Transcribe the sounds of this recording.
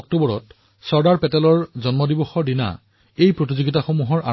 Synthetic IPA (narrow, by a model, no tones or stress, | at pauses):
ɔk̚tobɔɹɔt | sɔɹdaɹpɛtɛlɔɹzɔnmɔdibɔxɔɹdina̰ | ejpɹotizoɡitaxomuɦɔɹʔa